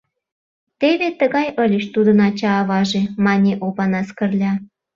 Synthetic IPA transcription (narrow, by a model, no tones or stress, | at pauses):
t̪eβet̪əɣɑjəlʲeʃt̪ud̪ənɑt͡ɕɑːβɑʒemɑnʲeʔopɑnɑskərlʲɑ